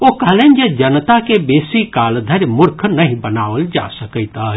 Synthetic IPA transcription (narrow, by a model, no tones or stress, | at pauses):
okəɦlənd͡ʒed͡ʒənt̪akebesikald̪ʱəɾmʊɾkʰnəɦĩbənaʋəld͡ʒa̰səkəɪt̪ə